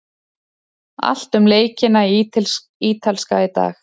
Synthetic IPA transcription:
a̰l̥t̪ʏmleːjcɪnal | iːt̪ʰalskaɪt̪a̰ːx

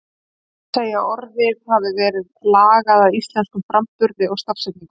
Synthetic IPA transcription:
seːjaɔɾðɪðhavɪvɛːɾɪðlaːɣaðawist̪lɛnskʏmfɾampʏɾðɪɔɣst̪afsɛt̪̚niŋk

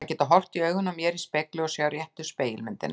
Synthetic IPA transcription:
acɛːt̪aɦɔr̥t̪iœːɥɣʏnːamjɛːɾispɛklʏɔsjaːwɾjɛht̪ʏspeːjɪlmɪnt̪ɪ̰na

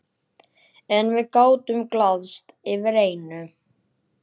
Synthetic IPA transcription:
ɛnvɪðkaːwt̪ʏmklaðst̪ɪvɪɾeːjnʏ

